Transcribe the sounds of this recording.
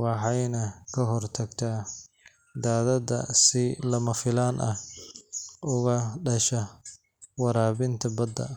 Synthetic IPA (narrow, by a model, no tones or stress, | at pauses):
wɑħɑjnɐkʰɐɦɔrt̪ʰɐɡt̪ʰaː | d̪aːðɐdɐ̰sɪlɐmɐfɪlaːnʔɐh | ʊɣɐɖɐʃɐ | wɑɾaːβɪnt̪ʰɐbɐd̪ɐ̰